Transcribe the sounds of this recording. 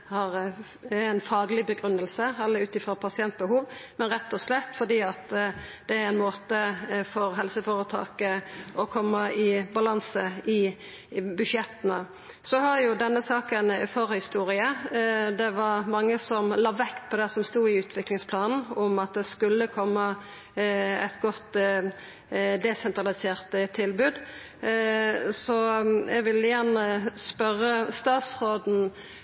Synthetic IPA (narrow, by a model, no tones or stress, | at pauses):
hɑɾ | æɪnfɑːɡəlɪbəɡɾʉnːəlsəɛlːəʉːt̪ɪfɾɑpʰɑsɪɛnt̪̚bəɦuːʋmɛnɾɛt̪ːɔslɛt̪ːfɔd̪iːɑt̪d̪̥ɛæɾæɪnmoːt̪əfɔɾɦɛlsəfoːɾət̪ʰɑ̰ːkəʔɔkʰɔmːəɪbɑlɑnsəɪ | bʉʃjɛt̪ːənə | sɔɦɑɾjʊd̪ɛnːəsɑːkənfɔʁəhɪst̪uːɾɪəd̪ɛʋɑɾmɑŋːəsɔmlɑːʋɛkt̪pʰɔd̪ɛsɔmst̪uːɪʉːt̪ʰʋɪklɪŋspʰlɑːnn̩ɔmɑt̪̚d̪ɛskʉlːəkʰɔmːə | ɛ̰t̪ɡɔt̪ː | d̪ɛsɛnt̪ɾɑlɪseːʁt̪t̪ʰːɪlbʉːd̪ | sɔɛɡʋɪlɪjænəspœɾːəst̪ɑːt̪sɾoːd̪n̩